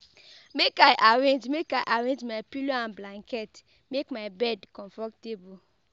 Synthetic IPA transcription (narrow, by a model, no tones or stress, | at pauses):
mekaɪʔaɹẽnd͡ʒmekajʔaɾẽnd͡ʒmaɪpiloãnblãŋkʰɛt | mekmaɪbɛdkɔ̃ɱfɔtebu